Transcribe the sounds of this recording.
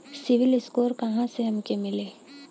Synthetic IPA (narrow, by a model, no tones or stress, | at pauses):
sɪʋɪlɪskoːɾkɐɦãseɦɐmkemɪleː